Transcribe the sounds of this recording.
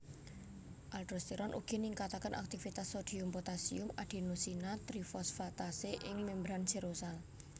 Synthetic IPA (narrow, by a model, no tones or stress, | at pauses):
ʔalʈɾɔst̪iɾɔnʔṵɡ̥iniŋkat̪akənʔa̰k̚t̪ifit̪asːod̪̥i̤ʊmpot̪asiʊmaɖ̪̥i̤nusinat̪ɾifɔsfat̪aseʔɪŋmembɾansiɾosal